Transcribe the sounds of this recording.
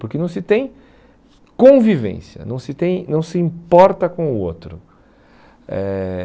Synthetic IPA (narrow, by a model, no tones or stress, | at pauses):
pʊɾkɪnɐ̃w̃sɪt̪ẽj̃ | kõvivḛ̃sjɐ̰nɐ̃w̃sɪt̪ẽj̃nɐ̃w̃sɪĩpɔɾt̪ɐkõʊot̪ɾʊ | ɛ